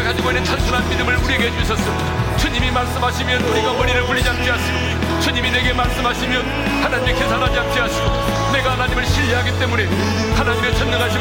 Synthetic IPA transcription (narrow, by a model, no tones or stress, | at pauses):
kad͡ʑiɡoinet͡ɕʰansʰunɦanmidɯmɯɭuɾieɡɦed͡ʑuɕ̬ʰʌs͈ʌo | t͡ɕʰuɲimimaɭs͈ɯmɦaɕʰimjʌnuɾiɡamʌɾiɾɯɭpuɭːid͡ʑak̚t͡ɕ͈iɦaɕʰiɡo | t͡ɕʰuɲimine̞ɡe̞maɭs͈ɯmɦaɕʰimjʌn | hanaɲimekesʰanɦad͡ʑaŋ̚t͡ɕ͈iɦaɕʰiɡo | ne̞ɡahanaɲimɯɭɕʰiʎːiɦaɡit͈e̞mune̞ | hanaɲimet͡ɕʰʌnmʌnɦaɕʰi